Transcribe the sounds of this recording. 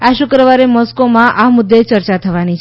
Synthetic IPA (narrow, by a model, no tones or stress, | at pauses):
aʃʊkɾəʋaɾemɔskomãʔamʊd̪ːet͡ʃəɾt͡ʃat̪ʰəʋanit͡ʃʰ